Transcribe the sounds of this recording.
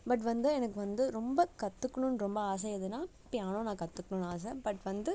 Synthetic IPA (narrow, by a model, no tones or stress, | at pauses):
bɐʈ̬ʋɐnd̪ɯɛnɐkːɯʋɐnd̪ɯɾɔmbɐkɐt̪ːɯkːɐɳʊ̃nɾɔmbɐaːs̬ɛɪðɯnaː | pɪjaːnõːnãːkɐt̪ːɯkːɐɳʊ̃naːs̬ɛbɐʈʋɐnd̪ɯ